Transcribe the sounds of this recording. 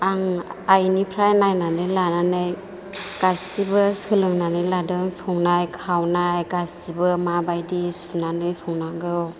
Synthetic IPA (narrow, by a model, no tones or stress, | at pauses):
aŋajnipʰɾajnajnanɯjlananɯj | ɡ̥asibɯsɯlɯŋnanɯjladɯŋsɔŋnajkʰawnajɡasibɯmabajdisunanɯjsɔŋnaɡɯw